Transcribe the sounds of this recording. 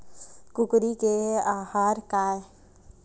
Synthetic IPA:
kʊkɾikeaːhaːɾkaː

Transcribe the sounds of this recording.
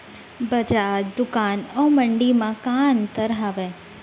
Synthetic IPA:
bəd͡ʒaɾd̪ʊkanoməɳɖimãkant̪əɾɦaʋe

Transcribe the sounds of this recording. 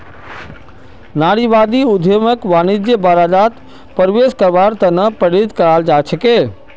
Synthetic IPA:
naːɽiʋaːd̪iʊd̪ʱeməkʋaːnid͡ʒd͡ʑebaɾaːd͡ʒaːt̪ | pɐɾʋeːskɐɾʋaːɾt̪ɐnɐpɐɽid̪kɐɾaːld͡ʒaːt͡ʃʰəkeː

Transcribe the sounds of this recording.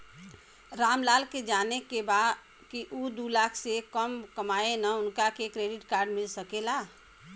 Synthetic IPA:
ɾaːmlaːlked͡ʒaːnekebaːd̪ | kiʔud̪ulaːkʰsekəmkəmaːenaʊnkakekɾeːɖɪʈkaːɾɖmɪlsəkelaː

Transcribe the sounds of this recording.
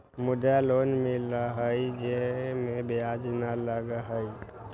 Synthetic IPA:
mud̪alonmilaɦəid͡ʒemebead͡ʒnaləɡaɦəj

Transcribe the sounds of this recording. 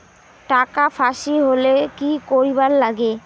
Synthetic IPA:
ʈakafaʃiɦolekikoɾiballaɡe

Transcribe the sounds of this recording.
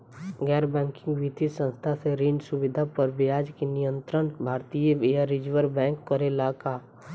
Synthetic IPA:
ɡɛːɾbɛ̃ːŋkɪ̃ŋɡʋit̪isə̃nst̪ʰaseɾiːɳɖsʊʋɪd̪ʱapəɾʋɪjaːd͡ʒkenɪjə̃nt̪ɾənbʱaːɾt̪ijəejaɾɪd͡ʒʋəɾbɛ̃ːŋkːəɾelaːkaː

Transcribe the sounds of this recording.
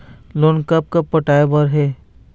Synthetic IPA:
loːnkɐp̚kəpːɐʈaːebəɾɦeː

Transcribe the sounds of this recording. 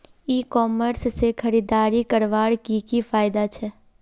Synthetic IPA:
ikɔːməɾssekʰəɾiːd̪aːɾikəɾʋaːɽkikifʰaːɪd̪at͡ʃʰɛː

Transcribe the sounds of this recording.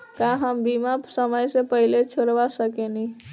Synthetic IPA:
kaɦəmbimapsəməjsepəɦilet͡ʃʰoɾʋasəkeni

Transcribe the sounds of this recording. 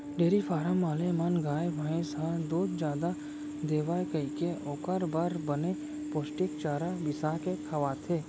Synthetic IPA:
ɖeːɾifʰaːɾamaːlemənɡaːjbəẽsad̪oːt̪d͡ʒjaːd̪a | d̪eːʋaːjkəikeʔoːkəɾbaɾbəne | poːsʈɪkt͡ʃaːɾabɪsakekʰɐʋaːt̪ʰeː

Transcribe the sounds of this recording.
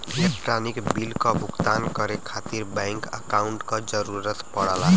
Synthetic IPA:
ilek̚ʈranikbilkobʱukt̪ankʌɾekʰat̪irbajŋkʌ̰kawuɳʈkod͡zʌɾuɾʌt̪pʌɽ̤ala

